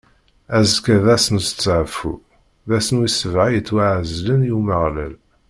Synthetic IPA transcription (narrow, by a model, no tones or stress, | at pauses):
æzkæðæsənsə̥t͡sːʕfṵ | ðæsənwisəvʕajət͡sːwaʕzlənjuməʁlæ̰l